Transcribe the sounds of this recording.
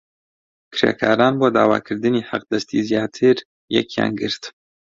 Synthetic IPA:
kɾḛkʰaːɾaːnboːd̪aːwa̰ːkʰɨɾd̪ɨnihaq̚d̪ɐst̪izjaːt̪ʰɨɾ | jɛ̰kijɑ̰ːnɡɨɾt̪

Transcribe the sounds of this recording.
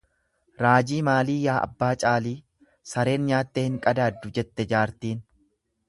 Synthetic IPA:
ɾaːd͡ʒiːmaːliːjaːʔɐ̰bːaːt͡ʃʼaːliː | sɐɾe̞ːnɲaːt̪ːeːhɪŋkʼɐd̪aːd̪ːʊd͡ʒɛt̪ːɛd͡ʒaːɾt̪iːn

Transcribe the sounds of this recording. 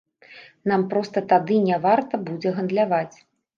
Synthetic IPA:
nampɾɔst̪ɐt̪ad̪ɨnʲavart̪ɐbud͡zʲɛɣɐnd̪lʲavat͡sʲ

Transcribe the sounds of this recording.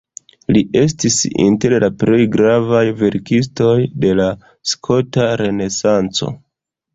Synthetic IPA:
liʔe̞stisḭnte̞ɾlapɾe̞jɡɾavajve̞ɾkis̬to̞jde̞la | skʰo̞taɾe̞ne̞sant͡so̞̰

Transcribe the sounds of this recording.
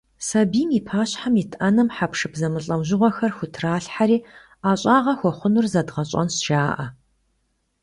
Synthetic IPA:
sɐbiːmipʰaːɕħamitʰʔɐnɨmħapʂɨpzɐmɨɬʼɐwʑɪʁʷɔxɐrxʷʊtʰraːɬħaɾiː | aːɕʼaːʁɐxʷɔχʷʊnʊrzɐdʁɐɕʼɐ̰nsʒaːʔɐ

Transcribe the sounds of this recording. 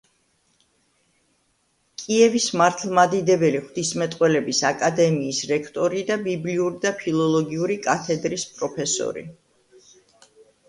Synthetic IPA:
kʼiɛvismaɾt̪ʰlˠmad̪id̪ɛbɛliχwvd̪̥ismɛt̪ʼqʼwɛlɛbisakʼad̪ɛmiːsɾɛkʰt̪ʼɔɾid̪abibliuɾid̪apʰilˠɔlˠɔɡiuɾikʼat̪ʰɛd̪ɾispʼɾɔpʰɛsɔ̰ɾḭ

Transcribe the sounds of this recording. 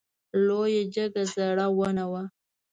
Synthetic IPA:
lojad͡ʒaɡazaɽawənawa

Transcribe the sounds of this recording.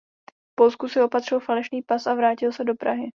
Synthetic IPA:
po̞lskusɪo̞pat̪r̝̥ɪlfalɛʃniːpasavɾaːcɪlsɛdo̞pɾaɦɪ

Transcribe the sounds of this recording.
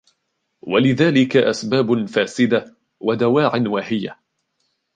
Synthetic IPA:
walɪðaːlɪkaʔasbaːbfaːsɪd̪a | wad̪awaːʕanwaːhɪja

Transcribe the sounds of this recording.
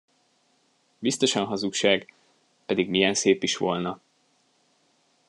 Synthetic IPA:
bist̪o̞ʃɒnɦɒzukʃaːɡ | pɛd̪iɡmijɛnseːpiʃʋo̞lnɒ

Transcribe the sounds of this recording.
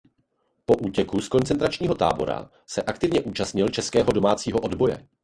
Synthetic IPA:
po̞ʔuːcɛkuskont͡sɛnt̪ɾat͡ʃɲiːɦo̞t̪a̰ːbo̞̰ɾa̰ | sɛʔakt̪ɪvɲɛʔuːt͡ʃast̪ɲɪlt͡ʃɛskɛːɦo̞do̞maːt͡siːɦo̞ʔodbo̞jɛ̰

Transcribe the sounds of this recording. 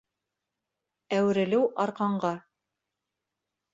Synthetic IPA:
æwɘ̆ɾɘ̆lɘwʔɑɾqɑɴɢɑ

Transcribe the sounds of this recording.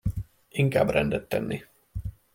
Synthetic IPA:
iŋkaːbrɛnd̪ɛt̪ːɛ̰nːi

